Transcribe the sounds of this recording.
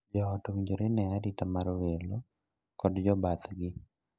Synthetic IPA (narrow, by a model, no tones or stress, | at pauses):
d͡ʒɔːtuŋd͡ʒoɾenɛaditamaɾwelo | kɔdd͡ʒɔbat̪ɡɪ